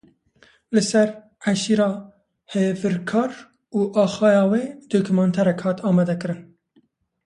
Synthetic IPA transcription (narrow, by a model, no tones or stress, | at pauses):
lɨsɛɾ | æʃiːɾɑː | heːvɨɾkʰɑːɾ | uːʔɑːxɑːjɑːweːd̪̥okymɑnt̪ʰɛɾɛkhɑːt̪ɑːmɛːd̪ɛkɨɾɨn